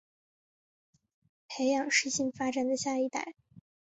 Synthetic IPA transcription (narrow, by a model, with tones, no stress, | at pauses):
pʰe˧˥ɪjɑ˨˩ŋʂɻ̩˥˧ɕi˥˩ŋfa˥ʈ͡ʂa˨˩nd̪ə˩ɕja˥˧i˥˩t̪a̰˥˩ɪ